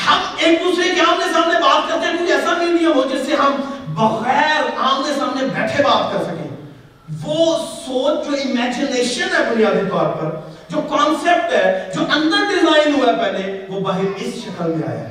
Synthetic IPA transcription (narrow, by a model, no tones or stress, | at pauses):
hɐmeːk̚d̪uːsɾekiaːmnesaːmnebaːt̪̚kɐɾt̪ẽɦɛ̃kuiɛːsamiːɖijə̃mɦod͡ʒɪseɦɐmbɐɣɛːɾaːmnesaːmnebɛːʈʰebaːt̪kɐɾsɐkḛ̃ː | ʋoːsoːt͡ʃd͡ʒoːɪmɛːd͡ʒɪneːʃənɦɛbʊnijaːd̪it̪ɔːɾpɐɾ | d͡ʒoːkaːnseːp̚ʈɦɛːd͡ʒoːʔɐ̃nd̪əɾɖɪzaːɪnɦuapɛːleʋoːbaːɦɪɾɪsʃɐkəlma̰ːḛɛ̰